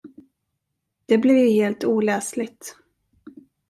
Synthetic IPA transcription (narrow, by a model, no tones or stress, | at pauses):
d̪̥ɛblɪɾjheːlt̪uːlɛːslɪɡt̪